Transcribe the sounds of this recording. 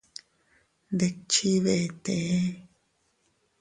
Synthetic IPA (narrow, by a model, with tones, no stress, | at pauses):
nd̪e˧t͡ʃi˦βe˧ʔe˧t̪ẽ˨e˦